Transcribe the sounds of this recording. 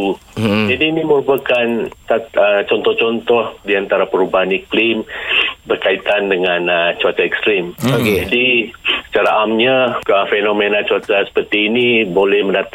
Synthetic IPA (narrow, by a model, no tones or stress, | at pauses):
ud͡ʒadiːniməɾupakansaət͡ʃɔnt̪ɔht͡ʃɔnt̪ɔhdiant̪aɾapəɾubaɦaniklimbərkait̪andəŋanət͡ʃuat͡ʃaɛkst̪ɾimokeadisə̥t͡ʃaɾaʔamɲaəfenomenat͡ʃuat͡ʃasə̥pərt̪iːnibolɛhməndat̪